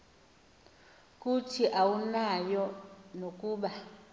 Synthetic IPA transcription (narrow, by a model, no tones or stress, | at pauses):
kʼutʰiʔawunajɔnokʼuːɓa